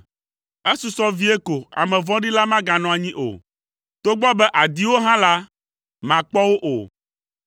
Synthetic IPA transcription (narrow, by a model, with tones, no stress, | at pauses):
e˦su˨sɔ˦vi˦e˦ko˨a̰˨mɛ̃˨vɔ̃˦ɖi˦la˦mã˦ɡã˨nɔ̃˨a˨ɲĩ˦ʔo̰˨ | t̪o˦ɡ͡bɔ˦bɛ˦ʔa˨d̪i˦wo˦ɦã˦la˦ | mã˨k͡pɔ˦wo˦ʔo̰˨